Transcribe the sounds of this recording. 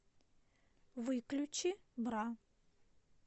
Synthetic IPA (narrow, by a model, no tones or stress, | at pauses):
vɨklʲut͡ɕibra